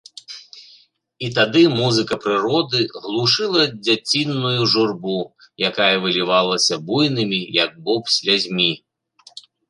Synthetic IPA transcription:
it̪ad̪ɨmuzɨkɐpɾɨɾɔd̪ɨɣlˠuʂɨlˠɐd͡zʲat͡sʲinːujuʐurbu | jakajɐvɨlʲivalˠɐsʲɐbujnɨmʲijɐɡ̚bɔpsʲlʲad͡zʲmʲi

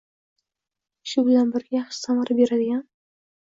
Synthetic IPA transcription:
ʃʊbɪlanbɪɾɡʲajaχʃɪ̥samaɾabe̞ɾad̪ɪɡʲan

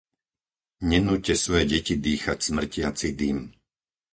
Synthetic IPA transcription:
ɲɛnuːcːɛsʋɔjɛɟɛcid̪iːxacsmr̩cɪat͡sid̪im

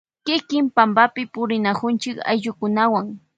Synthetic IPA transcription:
kɪkɪmpambapɪpʊɾɪnakʊnt͡ʃɪka̰jʎʊkʊnawaŋ

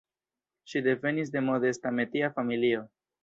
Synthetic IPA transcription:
ʃide̞ve̞nis̬de̞modestame̞tiafamilio̞

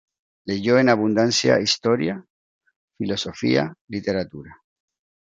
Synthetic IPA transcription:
leʝoenaβund̪ansja̰ist̪oɾja | filo̞sofḭa̰lit̪eɾat̪uɾa

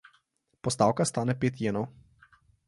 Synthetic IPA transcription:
pɔst̪awkast̪aːnɛpeːt̪jeːnɔw

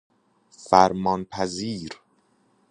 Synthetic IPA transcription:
fæɾmɒːnpʰæziːɾ

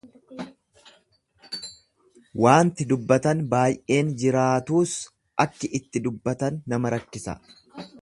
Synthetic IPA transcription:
wʔaːnt̪ɪd̪ʊbːɐt̪ɐnbaːjʔe̞ːnd͡ʒɪɾaːt̪uːs | ʔɐkːɪʔɪt̪ːɪd̪ʊbːɐt̪ɐnːɐmɐɾɐkːɪsɐ̰

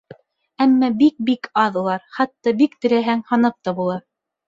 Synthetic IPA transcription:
æmːɑbik̚bikʰɑðulˠɑɾχɑt̪ːɑbikt̪ɘ̆ɾæɦæŋhɑnɤp̚t̪ɑbulˠɑɾ

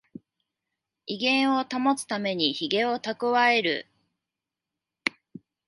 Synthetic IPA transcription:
iɡẽ̞ɰ̃o̞t̪amo̞t͡sɨ̥t̪ame̞ɲ̟içiɡe̞o̞t̪akɯ̟βae̞ɾɯ̟̰

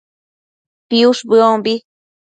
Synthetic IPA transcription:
piuʂbɨombi

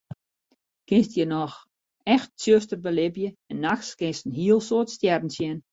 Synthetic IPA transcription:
kɪnstjənɔx | ɛxt̚sjøstərbəlɪbjəɛnːaxskɪnstn̩ɦiəlˠsoətstjɛrn̩sjɪn

